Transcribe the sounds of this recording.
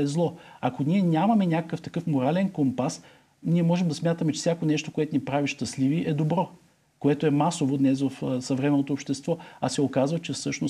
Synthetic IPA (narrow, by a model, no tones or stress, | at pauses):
ɛzlˠɔɐkonʲiɛnʲamɐmɛnʲakəkəft̪ɐkɤfmoɾalɛnkompas | nʲiɛmɔʒɛmd̪ɐsmʲjat̪əmɛt͡ʃɛ̥fsʲakonɛʃt̪okoɛt̪onipɾaviʃt̪ɐsliviʔɛd̪obɾɔ | koɛt̪oɛmasovod̪nɛsvɐfsɐvɾɛmɛnot̪oːpʃt̪ɛst̪vɔasɛokazvət͡ʃɛfsɤʃnos